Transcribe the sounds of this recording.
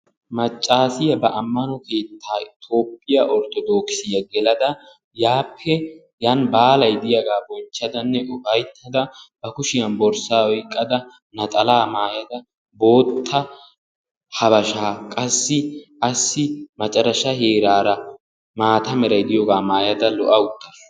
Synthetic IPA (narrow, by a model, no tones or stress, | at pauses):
mɐt͡ʃʼːaːsɪjɐbɐʔɐmːɐnɔke̞ːt̪ʰːaːɪt̪o̞ːpʼːɪjɐʔɔɾt̪ɔd̪o̞ːksɪjɐɡɛlɐd̪ɐ | jaːpʰːɛ | janbaːlɐjd̪ɪjɐɡaːbɔnt͡ʃːɐd̪ɐnːɛʔʊfɐjt̪ʰːɐd̪ɐb̥ɐkʊʃɪjɐnbɔɾsaːwɔjkʼːɐd̪ɐ | nɐt̪ʼɐlaːmaːjɐd̪ɐ | bo̞ːt̪ʰːɐ | hɐbɐʃaːkʼɐsːɪʔɐsːɪmɐt͡ʃʼɐɾɐʃɐheːɾaːɾɐ | maːt̪ɐmɛɾɐjd̪ɪjoːɡaːmaːjɐd̪ɐlɔʔɐʊt̪ːɐs